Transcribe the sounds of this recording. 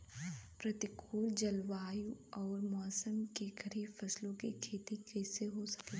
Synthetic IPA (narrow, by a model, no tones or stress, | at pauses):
pɾɐt̪ɪkʰuːld͡ʒɐlwaːjũɔːɾmɔːsəmkeɡɐɾiːbfɐslõkikʰeːt̪ikɛːseɦosɐ̥ke